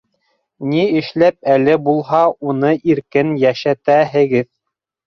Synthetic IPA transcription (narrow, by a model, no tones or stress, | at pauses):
niɘ̆ʃlæp̚ælɘbulˠɦɑunɤʔiɾkɘnjæʃæt̪æɦɘ̆ɡɘð